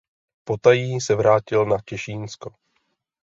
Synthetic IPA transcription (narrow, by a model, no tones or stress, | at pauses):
po̞t̪ajiːsɛvɾaːcɪlnacɛʃiːnsko